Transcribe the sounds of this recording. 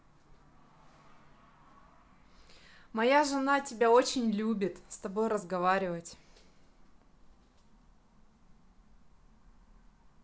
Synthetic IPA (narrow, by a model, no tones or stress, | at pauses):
mɐjaʐɨnatʲɪbʲaot͡ɕɪnʲlʲubʲɪt̪st̪ɐbo̞jɾəzɡɐvaɾʲɪvətʲ